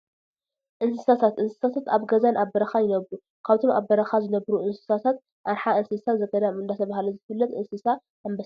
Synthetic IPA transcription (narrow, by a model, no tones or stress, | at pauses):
ʔɨnsɨsat̪ʰat̪ʔɨnsɨ̥sat̪ʰat̪aβɡɐzanʔaβɐɾɐxajɪnɐβɾu | kʰaβt̪ʰoma̰βɐɾɐxazɨnɐβɾuʔɨnsɨ̥sat̪ʰat̪̚ | ʔaɾħaʔɨnsɨsazɐɡɐɾamɨnd̪at̪ʰɐβahalɐzɨfɨlːɐt̪ʔɨnsɨsa | ambɐs